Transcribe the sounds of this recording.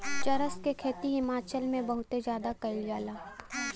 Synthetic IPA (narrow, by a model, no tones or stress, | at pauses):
t͡ʃɐɾəskekʰeːt̪iɦɪmaːt͡ʃəlmẽbɐɦʊt̪ezjaːd̪akɐɪld͡ʒaːlaː